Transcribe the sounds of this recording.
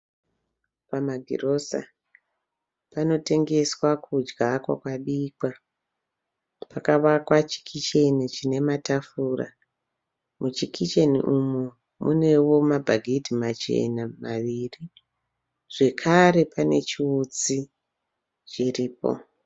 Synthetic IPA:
pamaɡʱḭro̞sa̰ | pano̞te̞ŋɡe̞swakud͡ʒɡakwakwaɓiːkwa | pakaʋakwat͡ʃi̥kʰit͡ʃe̞nit͡ʃine̞matafuːra̰ | mut͡ʃikʰit͡ʃenḭʔumu | mune̞wo̞mabʱaɡʱitimat͡ʃe̞̰namaʋiːri | ʐ̥e̞kʰaɾe̞pane̞̰t͡ʃiut͡si | t͡ʃiriːpo̞̰

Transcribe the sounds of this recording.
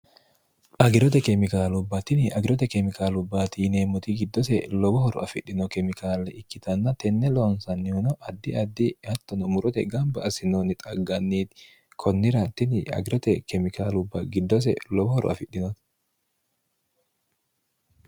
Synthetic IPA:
ʔɐɡɪɾɔt̪ɛkɛmɪkaːlʊbːɐt̪ɪnɪɐɡɪɾɔt̪̬ɛkɛmɪkaːlʊbːat̪iːneːmːɔt̪ɪɡɪd̪ːɔsɛlɔbɔhɔɾʊ̰ɐfɪɗːɪnɔkɛmɪkaːlɛʔɪkːɪt̪ɐnːɐt̪ɛnːɛlɔnsɐnːɪhʊnɔʔɐd̪ːɪɐd̪ːɪhɐt̪ːɔnɔmʊɾɔt̪ɛɡɐmbɐːsɪnoːnɪt̪ʼɐɡɐnːiːt̪ | kʰɔnːɪɾɐt̪ɪnɪɐ̰ɡɪɾɔt̪ɛkɛmɪkaːlʊbːɐɡɪd̪ːɔs̬ɛ̰lɔbɔhɔɾʊ̰ɐ̰fɪɗːɪnɔt̪

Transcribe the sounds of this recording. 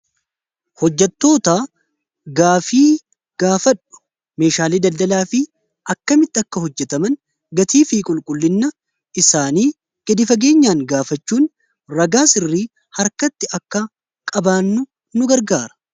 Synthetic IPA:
hɔd͡ʒːɛt̪ːo̞ːt̪aː | ɡaːfiː | ɡ̥aːfɐᶑʊ̥ | me̞ːʃaːliːd̪ɐld̪ɐlaːfɪ | ɐkːɐmɪt̪ːɪɐkːɐɦɔd͡ʒːɛt̪ɐmɐn | ɡɐt̪iːfiːkʼʊlkʼʊlːɪnːɐ | ʔɪsaːniː | ɡ̥ɐd̪ɪfɐɡe̞ːɲːaːŋɡaːfɐt͡ʃːuːn | ɾɐɡaːsɪrːiː | hɐɾkɐt̪ːɪɐkːɐ | kʼɐbaːnːʊ | nʊɡɐɾɡaːɾɐ̥

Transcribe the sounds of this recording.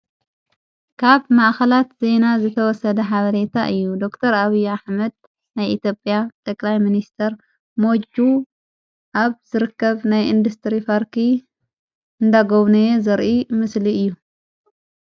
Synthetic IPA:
kʰaβmaʔxɐlat̪z̥e̞nazɨt̪ʰɐwɔsɐd̪ɐħaβɐɾe̞t̪ʰaʔɨjːud̪o̞kt̪ʰɐɾaβijːuaħmɐd̪̚ | najʔit̪ʰjopʼjat̪ʼʰɐkʼlajminist̪ʰɐɾ | mo̞d͡ʒu | ʔaβzɨɾɨkːɐβnajʔind̪ust̪ʰɾifaɾkʰi | ɨnd̪aɡoβnɐzɐɾʔimɨsliɨjːu

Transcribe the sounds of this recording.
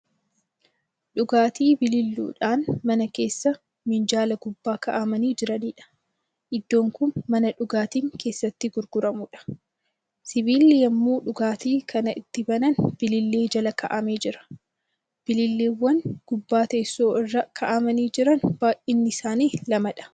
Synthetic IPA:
ᶑʊɡaːt̪iːbɪlɪlːṵːᶑaːnmɐnɐke̞ːsːɐ | mɪnd͡ʒaːlɐɡʊbːaːkɐʔamɐniːd͡ʒɪɾɐniːᶑɐ̥ | ʔɪd̪ːo̞ːŋkʊnmɐnɐᶑʊɡaːt̪iːŋkʰe̞ːsːɐt̪ːɪɡʊɾɡʊɾɐmuːᶑɐ̥ | sɪbiːlːɪjɐmːuːᶑʊɡaːt̪iːkʰɐnɐʔɪt̪ːɪbɐnɐnb̥ɪlɪlːe̞ːd͡ʒɐlɐkɐʔɐmeːd͡ʒɪɾɐ̥ | b̥ɪlɪlːeːwːɐnɡ̥ʊbːaːt̪eːsːoːɪrːɐkʰɐʔɐmɐniːd͡ʒɪɾɐnb̥aːʔʔɪnːɪsaːniːlɐmɐᶑɐ̥

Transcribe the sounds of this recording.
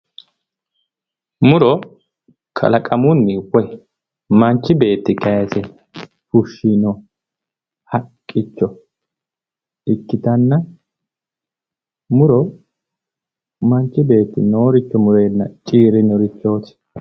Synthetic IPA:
mʊɾɔ | kʰɐ̰lɐkʼɐmʊnːɪwɔj | mɐnt͡ʃːɪbe̞ːt̪ːɪkɐjɐsɛ | fʊʃːinɔ | hɐkʼːɪt͡ʃːɔ | ɪkːɪt̪ɐnːɐ | mʊɾɔ | mɐnt͡ʃːɪbe̞ːt̪ːɪ̰noːɾɪt͡ʃːɔmʊɾe̞ːnːɐt͡ʃʼiːɾɪnɔɾɪt͡ʃːo̞ːt̪ɪ̥

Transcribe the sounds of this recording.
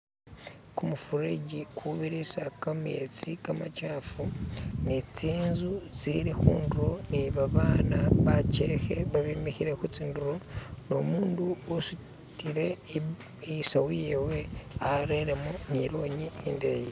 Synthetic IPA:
kumufuɾeɟikʰuβiɾesakamet͡sikamacaːfunet͡siːnzut͡siːɾikṵːnduɾo̞niβaβaːnaβacexeβaβimixiɾekut͡siːnduɾo̞no̞muːnduosu | tiɾe̞ | sawujeweaɾeɾemuniɾo̞ːɲinindeji

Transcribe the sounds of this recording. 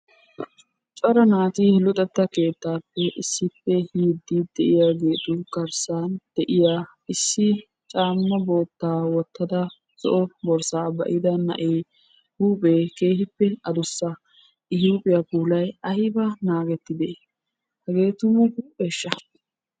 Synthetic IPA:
t͡ʃʼɔɾɐnaːt̪ilʊt̪ʼɛt̪ːɐke̞ːt̪ːaːpːɛʔɪsːɪpːɛhiːd̪ːiːd̪ɛʔɪjaːɡe̞ːt̪ʼʊkɐɾsaːnd̪̥ɛʔɪjaː | ɪsːɪ | t͡ʃʼaːmːɐbo̞ːt̪ːaːwɔt̪ːɐd̪ɐ | sɔ̰ʔɔbɔɾsaːbɐ̰ʔɪd̪ɐnɐ̰ʔeː | huːpʼeːke̞ːhɪpːɛɐd̪ʊsːɐ | ʔɪhjuːpʼɪjapuːlɐjɐhɪbɐnaːɡɛt̪ːɪd̪e | hɛɡe̞ːt̪ʊmʊhuːpʼeʃːɐ

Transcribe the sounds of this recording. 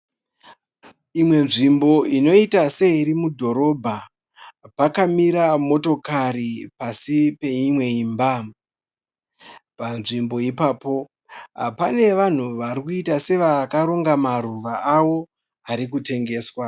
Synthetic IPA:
imwe̞nʐimbo̞ʔino̞itase̞iɾimudʱo̞ɾo̞bʱa | pakamiɾamo̞to̞karipasipe̞imwe̞iːmba | panʐimbo̞ipaːpo̞ | pane̞ʋan̤uʋaɾikuitase̞ʋakaɾoŋɡamaruʋaawo̞ | aɾikute̞ŋɡe̞ːswa

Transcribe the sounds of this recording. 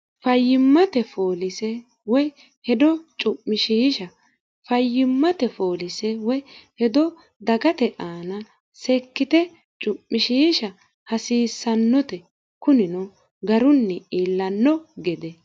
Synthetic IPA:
fɐjːɪmːɐt̪ɛfoːlɪsɛ | wɔj | hɛd̪ɔt͡ʃʼʊpːɪʃiːʃɐ | fɐjːɪmːɐt̪ɛfoːlɪsɛwɔjhɛd̪ɔ | d̪ɐɡɐt̪ɛʔaːnɐ | sɛkːɪt̪ɛ | t͡ʃʼʊpːɪʃiːʃɐ | hɐsiːsːɐnːɔt̪ɛ | kʊnɪnɔ | ɡɐɾʊnːɛiːlːɐnːɔɡɛd̪ɛ

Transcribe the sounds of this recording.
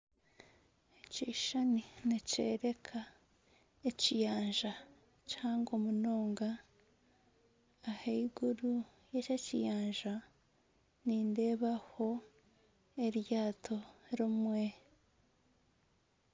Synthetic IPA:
eciʃaninecḛːɾe̞kʰa | ecijaːnʒa | caːŋɡomunoːŋɡa | heiɡuɾu | jececijaːɲʒa | niːnde̞βaho̞ | eɾjaːtʰo̞ɾomwe

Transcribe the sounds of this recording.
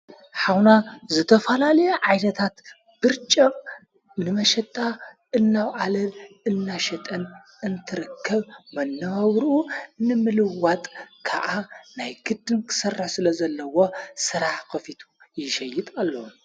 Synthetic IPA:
ħawnazɨt̪ʰɐfɐlalɐjɛʕajnɐt̪ʰat̪ | b̥ɨɾt͡ʃʼɐmʼ | nɨmɐʃɛt̪ʼːa | ʔɨnːawʔalɐlɨnːaʃɛt̪ʼɐn | ɨnt̪ʰɨɾɨkʰːɐβmɐnːɐβɐβɾʔunɨmɨlɨwat̪ʼkʰa̰ʔanajɡɨd̪ːɨnkʰɨ̥sɐrːɨħsɨlɐzɐlːɐwo̞sɨɾaħxɨfit̪ʰu̥ | jɪʃɐjːɪt̪ʼalːɐum

